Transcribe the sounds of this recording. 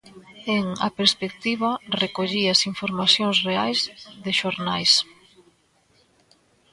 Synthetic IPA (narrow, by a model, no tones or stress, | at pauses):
eŋa̰peɾspek̚t̪iβ̞arekoʎiasiɱfoɾmasjoŋsreajzðɪʃoɾnajs